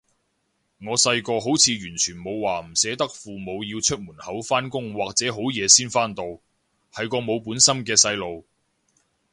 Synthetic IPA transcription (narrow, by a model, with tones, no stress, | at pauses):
ŋɔː˨˧sɐ˧jkɔː˧ɦo˨˥wt͡sʰiː˨˧jyː˨˩nt͡ʃʰyː˨˩nmo˨˧wːaː˨m̩˨˩sɛː˨˥t̪ɐ˥k̚fuː˨mo˨˧wjiː˧wt͡ʃʰɵ˥t̚muː˨˩nhɐ˨˥wfaː˥nkʊ˥ŋwaː˨k̚t͡sɛː˨˥ɦo˨˥wjɛː˨˧siː˥nfaː˥nt̪o˧w | hɐ˨jkɔː˧mo˨˧wpuː˨˥nsɐ˥mkɛː˧sɐ˧jlo˨˧w